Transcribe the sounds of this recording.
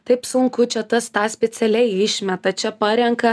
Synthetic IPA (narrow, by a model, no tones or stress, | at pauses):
t̪ɐɪpsʊŋkʊt͡ʃʲɛt̪ɐst̪ɑːsʲpʲɛt̪sʲɛlʲɛɪɪʃʲmʲɛt̪ɐt͡ʃʲɛpɐɾʲɛŋkɐ